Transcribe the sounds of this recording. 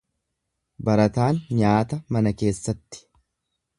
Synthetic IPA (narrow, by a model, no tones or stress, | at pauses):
bɐɾɐt̪aːnɲaːt̪ɐmɐnɐke̞ːsːɐt̪ːɪ̥